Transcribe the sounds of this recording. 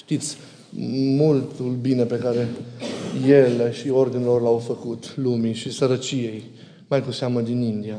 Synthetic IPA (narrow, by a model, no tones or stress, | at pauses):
ʃt̪it̪sʲ | mult̪ulbine̞pe̞kaɾe̞ | jele̞ʃio̞rd̪inelo̞rlawfəkut̪lumiʃisəɾət͡ʃie̞j | majkuseaməd̪inind̪ia